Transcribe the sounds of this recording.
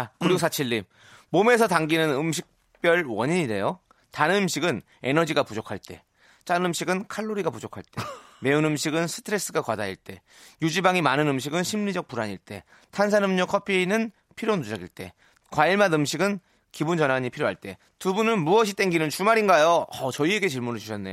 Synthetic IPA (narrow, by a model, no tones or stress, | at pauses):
akɯɾiɡosʰat͡ɕʰiʎːim | mome̞sʰʌtaŋɡinɯnɯmɕ̬ʰik̚ | p͈jʌɭwʌɲiɲiɾe̞̰jo | tanɯnɯmɕʰiɡɯn | e̞nʌd͡ʑiɡapud͡ʑokʰaɭt͈e̞̰ | t͡ɕ͈aɯmɕʰiɡɯnkʰaɭːoɾiɡapud͡ʑokʰa̰ɭt͈e̞me̞unɯmɕʰiɡɯnsʰɯ̥tʰɯɾe̞s͈ɯɡakwadaḭɭt͈e̞̰ | jud͡ʑibaŋimanɯnɯmɕ̬ʰiɡɯnɕʰimɲid͡ʑʌk̚p͈uɾaɲiɭt͈e̞̰ | tʰans̬ʰanɯmɲokʰʌpʰieinɯn | pʰiɾjonud͡ʑaɡiɭt͈e̞̰ | kwaiɭmanɯmɕʰiɡɯn | kibund͡ʑʌnaɲipʰiɾjoɦaɭt͈e̞̰ | tubunɯnmuʌɕ̬ʰit͈e̞ŋɡinɯnt͡ɕumaɾinɡajoʌt͡ɕʌie̞ɡe̞t͡ɕiɭmunɯɭt͡ɕuɕʰʌnːejo